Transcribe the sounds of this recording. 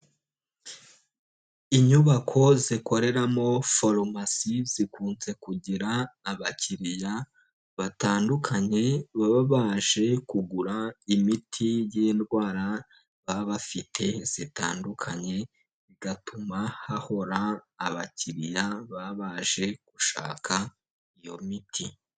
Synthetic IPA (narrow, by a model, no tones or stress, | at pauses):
iɲuβakʰo̞ziko̞ɾe̞ɾamo̞foɾomasiz̥ikʰuːnze̞kuɟiɾaːβaciɾija | βataːndukʰaɲe̞βaβaβaʒe̞kuɡuɾaimitʰijendɡwaːɾa | βaβafitʰe̞z̥itaːndukʰaɲe̞ | ziɡatumahaho̞ɾaːβaciɾijaβaβaːʒ̥e̞ɡ̥uʃa̰ːkʰa | ijo̞mitʰi